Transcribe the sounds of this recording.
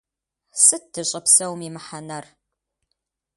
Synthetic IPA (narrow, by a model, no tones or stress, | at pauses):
sɨt̚dɨɕʼɐpsɐwmimɨħanɐr